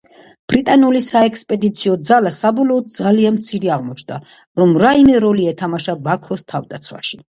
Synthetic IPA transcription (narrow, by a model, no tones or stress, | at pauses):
b̥ɾit̪ʼanulisaɛkspʼɛd̪it̪sʰiɔd̪zalasabɔlˠɔːd̪̚d̪zalianmt̪sʰiɾiaʁmɔt͡ʃʰd̪a | ɾɔmɾaimɛɾɔliɛt̪ʰamaʃabakʰɔst̪ʰavd̪at̪sʰwa̰ʃi